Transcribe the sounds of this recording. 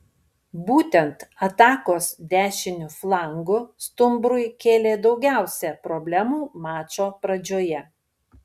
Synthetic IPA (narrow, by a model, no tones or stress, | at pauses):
buːt̪ʲɛnt̪ɐt̪ɑːkoːsd̪ʲæːʃʲɪnʲʊflˠɑˑŋɡʊst̪ʊmbɾʊɪkʲeːlʲeːd̪ɒʊɡʲæˑʊsʲɛpɾɔbʲlʲæmuːmɑːt͡ʃoːpɾɐd͡ʒʲoːjɛ